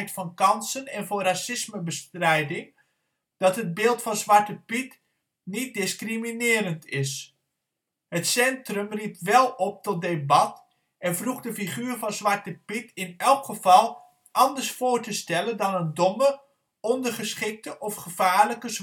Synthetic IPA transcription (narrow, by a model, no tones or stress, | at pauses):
jtfɑnkɑnsənɛnvʊnrasɪsməbəstrɛjdɪŋ | d̥ɑtɦəd̚bɪːlˠtfɑnzʋɑɹtəpit | nit̚dɪskriminɪːɾəntɪs | hətsɛntrəmrip̚tʋɛlˠɔp̚tɔt̚debɑt | ʔɛnvruχdəfiχyːɹvɑnzʋɑɹtəpitɪnɛlˠkχəv̥ɑlˠ | ʔɑndəɹsfoːɹtəstɛləndɑnəndɔmə | ɔndərχəsχɪk̚təʔɔfχəvaːɹləkəz